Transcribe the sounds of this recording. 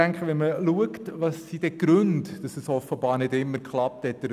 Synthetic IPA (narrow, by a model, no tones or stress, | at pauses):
æŋkχəʋɛnməluəktvɑsːid̥ɛɡ̥ɾɵntd̥ɑsəsɔfəbɑːɾnɪdɪmːəɾkχlɑp̚t̪hɛt̚dəɾ